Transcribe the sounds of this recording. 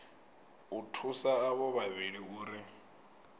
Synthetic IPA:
utʰusaːβɔβaβiɺiuːɾi

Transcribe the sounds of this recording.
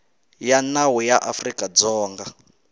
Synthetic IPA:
janawijaʔafrikʼad͡zɔːŋɡa

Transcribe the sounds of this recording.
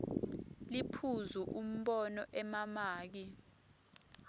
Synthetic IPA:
lipʰuzuʔum̩ɓɔnɔʔɛmamaːk̬i

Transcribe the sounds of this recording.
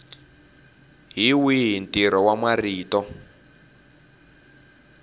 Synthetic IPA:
ɦiwiɦintiɾɔwamwariːtɔ

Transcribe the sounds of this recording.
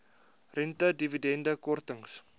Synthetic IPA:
rɛntədividɛndəkɔrtəŋs

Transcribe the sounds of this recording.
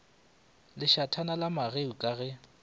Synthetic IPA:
lɪʃatʰanalamaɣeukʼaɣɛ

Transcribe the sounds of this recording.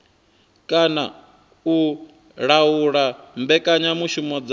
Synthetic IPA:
kʼana̰ | u | ɺauɺambɛkʼaɲamuʃumɔd͡z

